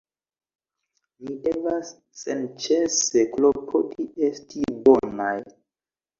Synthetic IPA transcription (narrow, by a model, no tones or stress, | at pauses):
midevasː | ent͡ʃeseklopʰotiestibo̞naj